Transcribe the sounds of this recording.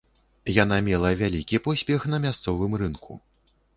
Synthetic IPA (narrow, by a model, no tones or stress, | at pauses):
janamʲɛlˠɐvʲalʲikʲipɔsʲpʲɛxn̪ɐmʲast̪sɔvɨmrɨnkʰṵ